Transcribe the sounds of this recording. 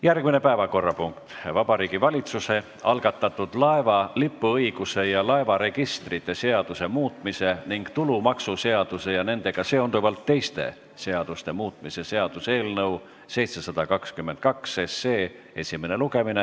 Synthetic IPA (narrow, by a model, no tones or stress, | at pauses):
jærɡ̥mine̞pæevɑko̞rːɑpuŋkt̪vɑb̥ɑɾiːɡ̥ivɑlʲit̪suse̞ | ɑlɡ̥ɑt̪ːˑɑt̪ːˑud̪̥lɑevɑlipːˑuɤjɡ̥use̞jɑlɑe̞vɑɾe̞ɡ̥ist̪rit̪ːˑe̞se̞ɑd̪̥use̞muːt̪ˑmise̞niŋɡ̥t̪ulumɑksuse̞ɑd̪̥use̞jɑne̞nd̪̥e̞ɡ̥ɑse̞ːo̞nt̪ojvɑlt̪ːe̞jst̪e̞̰ | se̞ɑd̪̥ust̪e̞muːt̪ˑmise̞se̞ɑd̪̥use̞ːlnɤw | se̞jt̪se̞sɑd̪̥ɑkɑkskymːe̞nt̪̚kɑkseseː | e̞sʲimene̞luɡ̥e̞mine